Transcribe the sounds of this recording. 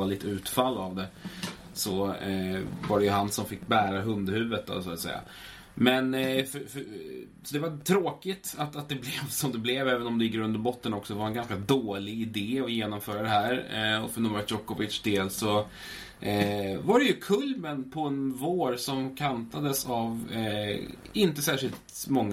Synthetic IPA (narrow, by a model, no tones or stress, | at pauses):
alɪt̪ːəʉ̟ːt̪falːavd̪ɛ | sɔ | vaɖɛjɵɦansɔmfɪkːbæːɾaɦɵnd̪hʉ̟ːvət̪ːɔ̰sɔt̪sɛ̰jːa̰ | mɛnfœf | sɔd̪ɛvat̪ʰɾoːkɪt̪at̪at̪̚d̪ɛblɛvsɔmd̪ɛblɛvɛːvənɔmd̪ɛjɪk̬ːəɾɵnd̪əɾbɔt̪ːənɔksɔd̪ɛvaɾaɛnɡanskad̪oːlɪɡɪd̪eːɔjeːnɔmfœːɾad̪ɛɦæːɾɔfɔnɔmvat̪jɔkːʊvɪt̪ʂd̪eːlsɔ | vaɖɛjɵkʰɵlmənpʰɔɛnvoːɾsɔmkʰant̪ad̪əsav | ɪnt̪əsæːʂɪlt̪mɔŋː